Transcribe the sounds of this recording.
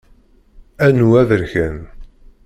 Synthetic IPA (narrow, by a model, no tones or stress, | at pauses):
ænuæðəɾçæn